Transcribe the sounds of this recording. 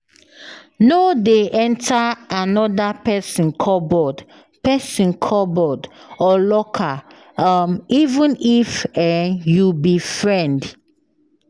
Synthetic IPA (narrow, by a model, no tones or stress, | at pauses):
nodeʔɛ̃ntʰaanɔdapɛsɔ̃nkʰɔbɔd | pɛsɔ̃nkʰɔbɔdɔlɔkʰa | amivũnifɛjubifɹɛ̃nd